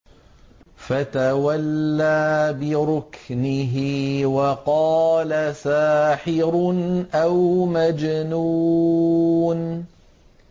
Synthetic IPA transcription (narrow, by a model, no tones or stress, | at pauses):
fat̪awalːaːbɪɾʊknɪɦɪwɑqɑːlasaːħɪɾnʔawmad͡ʒnuː | n